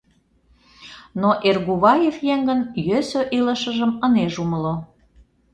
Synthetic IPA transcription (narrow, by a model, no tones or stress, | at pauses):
noʔerɣuβɑjefjeŋɡənjøsøʔiləʃəʒəməneʒuməlo